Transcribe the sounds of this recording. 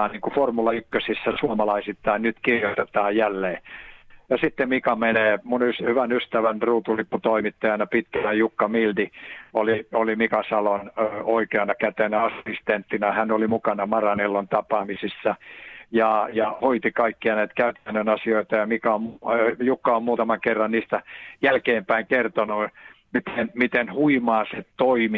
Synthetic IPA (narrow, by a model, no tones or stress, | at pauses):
nniːŋkuformulɑykːøsisːæsuomɑlɑisit̪ːɑinnyt̪kirjot̪et̪ɑːjjælːeːjɑsit̪ːemikɑmeneːmunyshyʋænyst̪æʋænruːt̪ulipːut̪oimit̪ːɑjɑnɑpit̪kænæjukːɑmild̪ioliolimikɑsɑlonːoikeɑnɑkæt̪enæɑsist̪ent̪ːinæhænolimukɑnɑmɑrɑnelːont̪ɑpɑːmisisːɑjɑjɑhoit̪ikɑikːiɑnæit̪kæyt̪ænːønɑsioit̪ɑjɑmikæommjukːɑommuːt̪ɑmɑŋkerːɑnniːst̪æjælkeːmpæiŋkert̪onu | mit̪enmit̪enhuimɑːset̪oimi